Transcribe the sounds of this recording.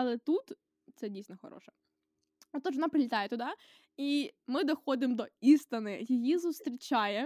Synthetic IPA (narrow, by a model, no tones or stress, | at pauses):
ɐlˠɛt̪ut̪ | t̪sɛdʲijsʲnɔxɔ̰ɾɔ̰ʃɛ | t̪ɔʒʋɔnɑpɾɪlʲɪt̪ɑjɛt̪ʊd̪ɑ | imɪd̪ɔxɔd̪ɪmd̪ɔist̪ɐnɪjɪjizʊst̪ɾʲit͡ʃɑjɛ